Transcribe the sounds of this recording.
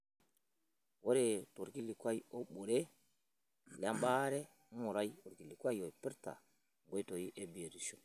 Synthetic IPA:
wo˦ɾe˨to˨ɾki˦li˨kwa˦jo˦ɓo˨ɾe˦ | la˦mba˦ɾɛ˦ | u˨ɾa˦ju˨ɾki˨li˨kʷa˦jo˨pi˦ɾta̰˨ | ŋ˨ɡo˦i˦to˨ji˦ʔe˦bi˨e˨ɾi˨ʃo˨

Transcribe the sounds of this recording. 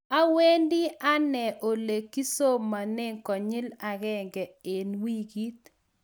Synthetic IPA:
a˦we˦ndɪ˦ʔa˦nɛ˨ʔo˨le˨kːi˦so˦mːa˨nɪ˦ŋkɔ˨ɲɪ˦la˨ɣɛ˦ŋɡɛ˨ɪ˨nwi˦ɡi˦t̪̚

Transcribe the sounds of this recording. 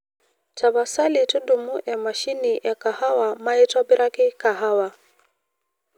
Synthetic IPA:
ta˨βa˨sa˦li˨tu˦du˨mu˦ʔɛ˨ma˨ʃi˦ni˨ʔɛ˨ka˨ha˦wa˨ma˦i˦twa˦bi˦ɾʔa˦ki˦ka˨ɦa˦wa˨

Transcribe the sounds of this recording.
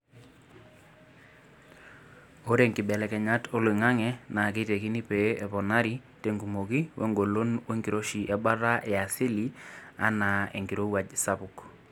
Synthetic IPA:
o˦ɾe˨ŋkɪ˨ɓɛ˨lɛ˨kɛ˨ɲa˦to˦li˨ŋa˦ŋɛ˨na˨k̬e˦te˨ki˦ni˦pe˨˦ɛ˨pɔ˨na˦ɾi˦ | te˦ŋɡu˨mo˨ki˦wʔḛ˦ŋɡo˨lo˦nwe˦ŋɡi˨ɾo˦ʃi˨ʔɛ˦ba˦ɾa˦ɛ˨a˨sɪ˦li˦a̰˦na˨ḛ˨ŋɡi˨ɾo˦wa˨d͡ʒsa˦pʊ˨k

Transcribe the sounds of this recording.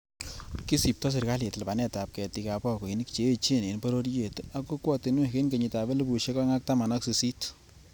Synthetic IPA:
ki˦si˨p̚tɔ˦s̬ɪ˨ɾka˦lje˨tla˨ba˨nɛ˦ta˨p̚kɛ˨ti˨ka˨pɔ˦ko˨i˨ni˦kt͡ʃe˦˨t͡ʃe˦ne˨npɔ˦ɾo˦ɾje˨ta˨˦ku˦kwɔ˦tɪ˨˦nwe˦ke˦nke˨ɲi˨ta˨bɛ˦lbu˨ʃe˦ka˦ŋa˦k̚ta˦ma˨nɔ˦ksi˨si˦t

